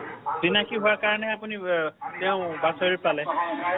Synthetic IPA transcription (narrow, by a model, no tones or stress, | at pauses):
zinakiɦʊwakaɹɔnɛapunitɛʊ̃basoɹipalɛ